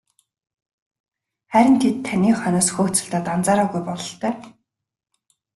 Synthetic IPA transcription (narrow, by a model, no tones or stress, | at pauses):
χæɾʲɪ̆nt̪ʰet̪ʰːænʲiːχœnɔːsxuːxʰt͡sɘ̆ɬt̪aːt̪ant͡saːɾaːɣujpɔɮɞ̆ɬt̪œː